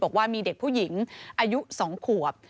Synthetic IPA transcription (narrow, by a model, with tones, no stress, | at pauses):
ɔ˨˩k̚waː˥˩miː˧de˨˩k̚pʰuː˥˩ji˩˦ŋʔaː˧ju˦˥sɔː˩˦ŋkʰu˨˩ə˩p̚